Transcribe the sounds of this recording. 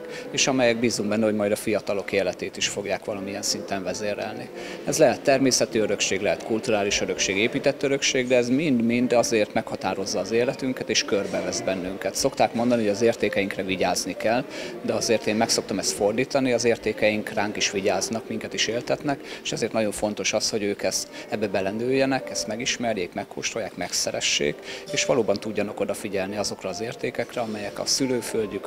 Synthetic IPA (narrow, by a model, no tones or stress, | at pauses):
eːʃɒmɛjɛɡ̚biːzːuŋɡbɛnːɛɦoɟmɒjd̪ɒfijɒt̪ɒlo̞keːlɛt̪eːt̪iʃfo̞ɡjaːkʋɒlɒmiɛnsint̪ɛɱvɛzeːɾɛ̰lni | ɛzlɛɦɛt̪ːɛrmeːsɛt̪iøɾøkʃeːɡlɛɦɛt̪kult̪uɾaːliʃøɾø̞kʃeːɡeːpiːt̪ɛt̪ːøɾø̞kʃeːɡd̪ɛːzmind̪mind̪ɒzeːrt̪mɛkhɒt̪aːɾo̞zːɒːzeːlɛt̪yŋkɛt̪eːʃkørbɛvɛzbɛnːyŋkɛt̪so̞kt̪aːkmo̞nd̪ɒnihoɟɒzeːrt̪eːkɛjiŋkrɛviɟaːznikɛld̪ɛɒzeːrt̪eːmmɛkso̞k̚t̪ɒmɛst̪fo̞rd̪iːt̪ɒniɒzeːrt̪eːkɛjiŋkraːŋkiʃʋiɟaːznɒkmiŋkɛt̪iʃeːlt̪ɛt̪nɛkeʃɛzeːrt̪nɒɟo̞ɱfo̞n̪t̪o̞ʃɒsho̞ɟøːkɛst̪ɛbːɛbɛlɛnøːjːɛnɛkɛst̪mɛɡiʃmɛrjeːkmɛkːo̰ːʃt̪rojaːkmɛksɛɾɛ̰ʃːḛːkeːʃʋɒloːbɒnt̪uɟːɒnɒko̞d̪ɒfiɟɛlniɒzo̞krɒːzeːrt̪eːkɛkrɛɒmɛjɛkɒ̰syløːfølɟyk